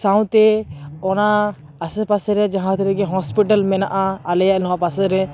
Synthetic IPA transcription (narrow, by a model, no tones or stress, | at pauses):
saw̃t̪ɛɔnaː | sɛpasɾɛd͡ʒaɦãt̪ɛɾɛɡɛɦɔspiʈalmɛnaʔaːlɛjaʔnɔwapasɛɾɛ